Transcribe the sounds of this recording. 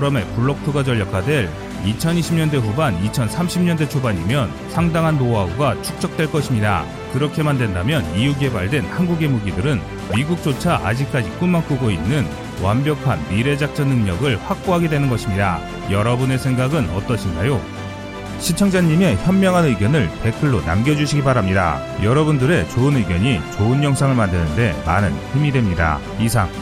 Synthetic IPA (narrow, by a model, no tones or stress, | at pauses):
ɾʌme̞puɭːok̚tʰuɡad͡ʑʌɭːʌkʰadwe̞ɭ | it͡ɕʰʌniɕʰimɲʌndwe̞ɸubanit͡ɕʰʌnsʰamɕʰimɲʌnde̞t͡ɕʰobaɲimjʌn | sʰaŋdaŋɦanmoauɡat͡ɕʰuk̚t͡ɕ͈ʌk̚t͈we̞ɭk͈ʌɕʰimɲida̰ | kɯɾʌkʰe̞mandwe̞ndamjʌniuɡe̞baɭdwe̞nhanɡuɡe̞muɡidɯɾɯn | miɡuk̚t͡ɕ͈ot͡ɕʰaʔa̰d͡ʑik̚k͈ad͡ʑik͈unmank͈uɡoinːɯn | wambjʌkʰanːiɾe̞d͡ʑak̚t͡ɕ͈ʌnːɯŋɲʌɡɯɭɸwak̚p͈oɦaɡe̞dwe̞nɯnɡʌɕʰimɲida̰ | jʌɾʌbune̞sʰe̞ŋɡaɡɯnʌt͈ʌɕʰindajo | ɕʰit͡ɕʰʌŋd͡ʑaɲːime̞çjʌmmjʌŋɦanɯjɡjʌnɯɭpe̞kʰɯɭːona̰mɡjʌd͡ʑuɕʰiɡibaɾamɲida̰ | jʌɾʌbundɯɾe̞t͡ɕoɯnɯjɡjʌɲit͡ɕoɯnjʌŋsʰaŋɯɭmandenɯnde̞ma̰nɯnçimidwe̞mɲida̰ | isʰaŋ